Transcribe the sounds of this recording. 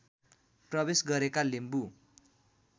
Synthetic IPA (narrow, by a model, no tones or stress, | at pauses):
prʌbesɡʌɾekalimbu